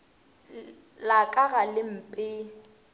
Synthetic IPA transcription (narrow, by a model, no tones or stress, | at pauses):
lakʼaɣalɪm̩pʼɪ